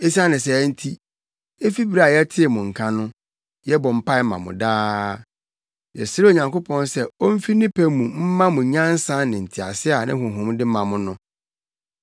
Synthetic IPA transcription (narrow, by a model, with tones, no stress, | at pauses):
e˦si˦a˦nɪ̃˨s̬ɛ˨˦n̩˦tʰi˦ | e˦fi˦bi˦ɾa˦a˨jɛ˦tʰɪ˦ɛ˨mʊ̃˨ŋ̩˨kʰã˦nʊ̃˦ | jɛ˦bɔ˨m̩˦pʰa˦ɪ˦mã̰˨mʊ̰̃˨daː˦ | jɛ̰˨sɪ˦ɾo˨ɲã˨ŋko˦pʰɔ̃˦nsɛ˦o˦m̩˦fi˦nɪ̃˦pʰɛ˦mũ˨m̩˦mã˦mʊ̃˨˦ɲã˦n̩˦sã˦nɪ̃˨n̩˨tʰɪ˨a̰˨sɪ˦a˨nɪ̃˦hʊ̃˨ɦʊ̃˨˦mdɪ˦mã˨mʊ̃˦nʊ̃˦